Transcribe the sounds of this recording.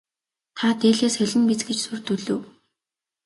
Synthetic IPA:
t̪ʰat̪eːɮeːsxæɮʲɘ̆npit͡sɡĕt͡ɕsur̥t̪ɵɮɵ̆ː

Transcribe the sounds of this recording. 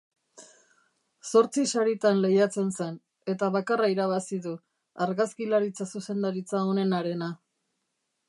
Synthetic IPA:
so̞ɾt͡sisaɾit̪anle̞jat͡se̞nsen | e̞t̪aβakaraiɾaβ̞asiðu | aɾɣaskilaɾit͡sasuse̞nd̪aɾit͡sao̞ne̞naɾe̞na

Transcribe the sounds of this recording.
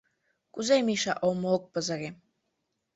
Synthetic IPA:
kuzemiʃɑʔomok̚pɤzɤ̆ɾʲe

